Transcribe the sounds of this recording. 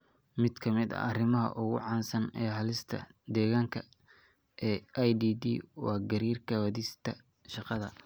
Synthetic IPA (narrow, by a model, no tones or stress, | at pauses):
mɪd̪̥kʰɐmɪd̪ɐ̰ʔɐrɪmɐɦɐ̰ʔʊɣʊ̰ʕɑːnsɐnɛːɦɐlɪst̪ʰɐ̰d̪ɛːɣaːŋkʰɐ | ʔɛːʔajd̪iːd̪ḭːwɑːɡɐɾiːrkʰɐwɐðɪst̪ʰɐ | ʃɑqɑðɐ